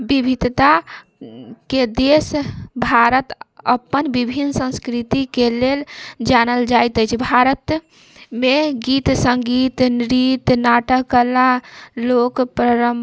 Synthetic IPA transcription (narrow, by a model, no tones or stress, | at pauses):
bibʱid̪t̪a | ked̪esbʱaɾət̪əpːənbibʱinsə̃nskɾit̪ikeleld͡ʒanəld͡ʒajt̪əjt͡ʃʰbʱaɾət̪ | meɡit̪səŋɡit̪nɾit̪naʈəklalokpɾəɾəm